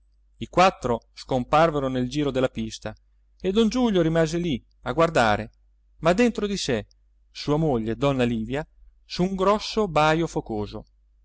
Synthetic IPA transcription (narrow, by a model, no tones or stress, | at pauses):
ikwat̪ːɾo | skomparveɾoneld͡ʒiːɾod̪elːapist̪a | ed̪ɔnd͡ʒuʎːoɾimaːzeli | aɡward̪aːɾe | mad̪ːent̪ɾod̪ise | suːamoʎːed̪ɔnːaliːvja | suŋɡɾɔsːobajofokoːzo